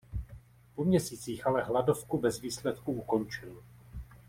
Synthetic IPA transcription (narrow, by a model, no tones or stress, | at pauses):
pomɲɛsiːt͡siːxʔalɛɦlado̞fkubɛzviːslɛt̪kuuko̞nt͡ʃɪl